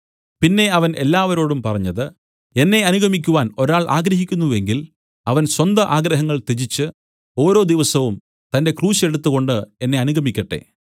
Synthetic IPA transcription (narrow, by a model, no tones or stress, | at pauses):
pinːe̞ɐʋɐne̞lːaːʋɐɾo̞ːɽumpɐrɐɲːɐðɨ | e̞nːe̞ɐnuɣɐmik̬ʲːuʋaːno̞ɾaːɭʔa̰ːɡɾɐɦikʲːunːuʋeŋɡil | ɐʋɐnswɐnd̪ɐʔaːɡɾɐɦɐŋːɐɭt̪ed͡ʑit͡ɕːɨ | o̞ːɾo̞ːd̪iʋɐsɐʋum | t̪ɐnde̞kruːɕe̞ɽut̪ːuɣo̞ɳɖɨe̞nːe̞ɐnuɡɐmikʲːɐʈːe̞̰